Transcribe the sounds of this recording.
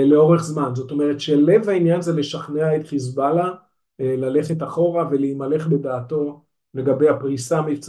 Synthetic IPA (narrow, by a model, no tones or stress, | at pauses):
le̞o̞ʁe̞χzmanzo̞t̪o̞me̞ʁetʃele̞vainjanzele̞ʃaχneaet̪χis̬bala | lale̞χe̞taχo̞ʁaveleimale̞χbe̞d̪aːto̞ | le̞ɡabe̞japʁisamift͡s